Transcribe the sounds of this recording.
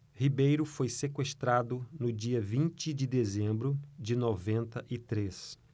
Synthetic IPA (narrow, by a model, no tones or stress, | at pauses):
hibejɾʊfojsekweʃt̪ɾad̪ʊnʊd͡ʒiɐvĩnt͡ʃɪd͡ʒɪd̪ezẽmbɾʊd͡ʒɪnɔvẽnt̪ɐʔɪt̪ɾes